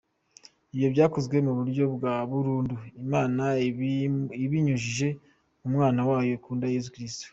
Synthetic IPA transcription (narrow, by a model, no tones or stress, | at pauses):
ibjo̞bɟaːkozɡwe̞muβuɾɟo̞bɡaβuɾuːnduimaːna | iβiɲuʒiʒe̞ | umŋaːnawaːjo̞kuːndaje̞zukɾisto̥